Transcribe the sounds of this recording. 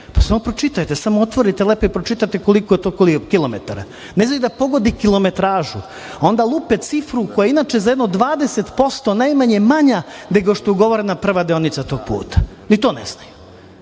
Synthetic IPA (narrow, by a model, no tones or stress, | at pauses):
pḁsamopɾot͡ʃit̪ajt̪esamoot̪ʋo̞ɾit̪elepoipɾot͡ʃit̪at̪ekolikojet̪oːkolikilo̞mḛt̪aɾa̰ | nezajd̪apo̞ɡo̞d̪ikilo̞me̞t̪ɾaːʒu | ao̞nd̪alˠupet̪sifɾukojainaːt͡ʃezajed̪nod̪ʋaːd̪e̞set̪po̞st̪o̞najmaɲe̞maɲaneɡooʃt̪ouɡo̞ʋoɾenapr̩ʋad̪eonit̪sat̪o̞ːɡ̚pṵːt̪ḁ | nit̪o̞ːnḛsnaju